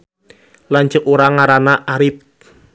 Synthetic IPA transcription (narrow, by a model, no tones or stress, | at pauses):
lant͡ʃəkuɾaŋaɾanaʔaɾɪp̚